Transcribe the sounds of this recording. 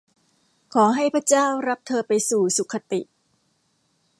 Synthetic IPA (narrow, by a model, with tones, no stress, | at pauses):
kʰɔː˩˦ɦa˥˩jpʰɾa˦˥t͡ɕaː˥˩wɾa˦˥p̚t̪ʰɤː˧pa˧jsuː˨˩su˨˩kʰːa˧t̪i˨˩ʔ